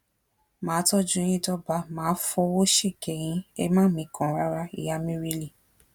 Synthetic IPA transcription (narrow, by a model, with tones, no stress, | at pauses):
mãː˨˦tɔ˦˨d͡ʒũ˦ĩ˧˦tɔ˦ba˧˦mãː˨˦fɔ˧wo˦ʃe˦˨kɛ˨j̃ĩ˧˦ɛ̰˧mãː˦mĩ˧kʰã˨ɾa˧˦ɾa˧ḭ˨ja˧mĩ˦ɾi˦li˦˨